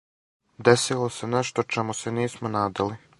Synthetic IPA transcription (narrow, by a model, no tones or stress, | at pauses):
d̪esilˠo̞se̞neʃt̪ot͡ʃemuseniːsmonaːd̪ali